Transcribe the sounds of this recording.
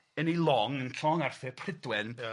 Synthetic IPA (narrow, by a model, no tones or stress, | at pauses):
ənilˠɔŋənɬʰɔŋarθɪpʰrɪdwɛn